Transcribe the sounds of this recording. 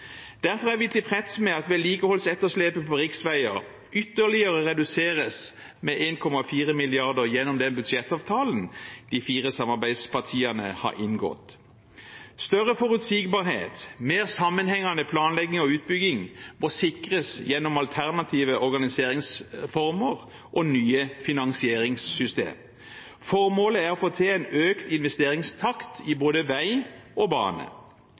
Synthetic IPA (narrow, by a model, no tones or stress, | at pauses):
d̪̥æʁfɔʁæɾʋɪt̪ɪpʰʁɛt̪smɛɑt̪ʋɛːliːkəhɔlsɛt̪ːəʂleːpəpɔʁɪksʋæɪəʁ | ʏt̪ːəlɪəʁəʁɛd̪ʉseːʁəs | mɛʔeːnkʰɔmɑfiːʁəmɪlɪɑʁd̪əʁjɛnːɔmd̪ɛnbʉd̪ʃɛt̪ːɑːʋt̪ʰɑːlən̩d̪̥ifiːʁəsɑmɑbæɪspɑʁt̪ʰiːɑnə̰hɑ̰ɾʔɪnɡɔ̰t̪ | st̪œʁəfɔɾʉt̪siɡbɑːʁhḛːt̪meːʁsɑmːənhɛŋːɑnəpʰlɑːnlɛɡːɪŋɔʉːt̪̚bʏɡɪŋmosɪkʁəsjɛnːɔmɑlt̪ʰæʁnɑt̪ʰiːʋəʔɔʁɡɑnɪseːʁɪŋsfɔʁməʁ | ʔɔnyːəfɪnɑŋsɪeːʁɪŋsːʏst̪ḛːm | fɔʁmoːləæʁɔfoːt̪ʰeːɛnøːkt̪ɪnʋɛst̪eːʁɪŋst̪ʰɑkt̪ɪboːd̪əʋæɪʔɔbɑ̰ːnə̰